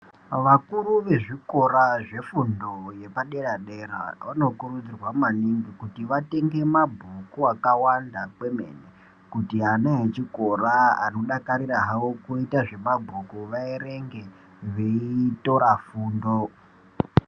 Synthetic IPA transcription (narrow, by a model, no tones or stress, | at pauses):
ʋakuɾuʋe̞ʐiko̞ɾaʐe̞fundoje̞paɗe̞ɾaɗeɾa̰ʋano̞kurud͡zirwamaniŋɡikutiʋate̞ŋɡe̞mabʱukuakawandakwe̞mḛne | kutianaet͡ʃiko̞ɾaa̰noɗakaɾiɾaɦaokuitaʐe̞mabʱukuʋaiɾe̞ŋɡe | ʋeiito̞ɾafuːndo